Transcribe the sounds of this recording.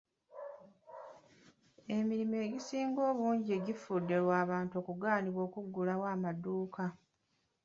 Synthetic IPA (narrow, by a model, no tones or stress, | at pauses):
e̞miɾime̞ːɟisiːŋɡo̞ːβuːɲɟie̞ɟifudːe̞lwaːβaːntuo̞ːkuɡaːniβwo̞ːkuɡːulawaːmaduːka